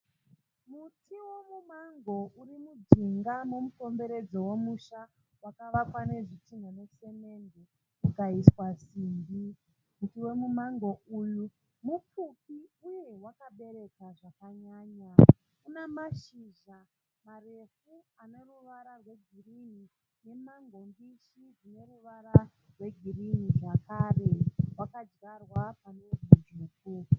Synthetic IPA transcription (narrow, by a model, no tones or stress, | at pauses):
mutʰiwe̞mumaŋɡo̞ʔuɾimud͡ziŋɡamomuko̞mbe̞ɾe̞d͡zo̞wo̞muʃa | wakaʋakwane̞ʐitimone̞se̞me̞nde | kukaiswasiːmbi | mutiwe̞mumaŋɡo̞uju | mup͡fupiuje̞wakaɓe̞ɾe̞kaʐakaɲaːɲa | kunemaʃiʒa | marefuane̞ruʋaɾarwe̞ɡʱirini | ne̞maŋɡo̞mbiʃid͡zine̞ruʋaɾa | rwe̞ɡʱiriniʐakaːrewakad͡ʒɡarwapaned͡zud͡ʒuːku